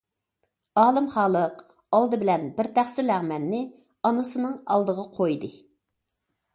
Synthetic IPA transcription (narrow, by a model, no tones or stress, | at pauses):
ɑːlˠɨmχɑːlˠəq | ɑlˠd̪ɨbɪlɛnbɪɾt̪ʰæχsɪlæʁmɛnːɪ | ɑnɨsɨnɨŋɑ̰lˠd̪əʁɑqʰojd̪ɨ